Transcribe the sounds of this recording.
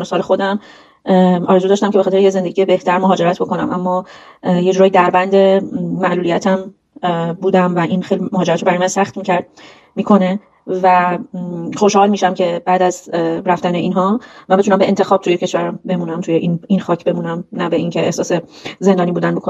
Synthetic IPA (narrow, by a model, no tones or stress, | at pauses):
nosɒːlexo̞d̪æm | ɒ̰ːɾezuːd̪ɒʃt̪æmcebe̞xɒt̪ʰɾejeze̞nd̪e̞ɟiːje̞be̞ht̪ʰæɾmoɦɒːd͡ʒe̞ɾæt̪ʰbo̞ko̞næmʔæmːɒːjed͡ʒuɾɒːjid̪æɾbænd̪e̞ːæʔlulijæt̪ʰæm | buːd̪æmvæʔinxejlimoɦɒːd͡ʒeæt̪ɾobæɾɔjmænsæxt̪micʰæɾ | miːkʰo̞ne | væ | xo̞ʃhɒːlmiʃæmcʰe̞bæːd̪æzɾæft̪æneʔiːnɦɒːmæmbeunæmbeʔent̪ʰe̞xɒːb̥t̪ʰujecʰe̞ʃvæɾæmbe̞muːnæmt̪ʰujeʔininxɒːcʰbe̞munæmnæbeʔiŋcʰe̞ʔehsɒːseze̞nd̪ɒːniːbuːd̪ænbokʰo